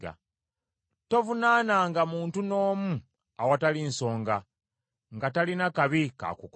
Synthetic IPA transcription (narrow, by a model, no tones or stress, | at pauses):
a̰ | to̞vunaːnaːŋɡamuːntuno̞ːmu | awatalinso̞ːŋɡa | ŋɡatalinakaβika̰kuk